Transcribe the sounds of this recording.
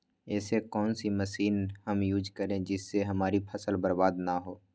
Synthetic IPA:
ɛːsekɔːnsimɐsiːnhɐmjuːd͡ʒkəɾẽd͡ʒɪsːeɦɐmaːɾipʰɐsəlbɐɾbaːd̪naɦoː

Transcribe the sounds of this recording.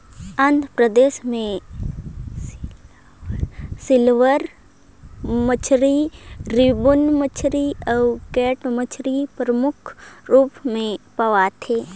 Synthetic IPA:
ə̃nd̪ʱəpɾəd̪eːʃmẽ | sɪlʋəɾ | mət͡ʃʰɾiɾibʊnmət͡ʃʰɾiəwkɛːʈmət͡ʃʰɾipɾəmʊkʰɾuːpmẽpɐʋat̪ʰeː

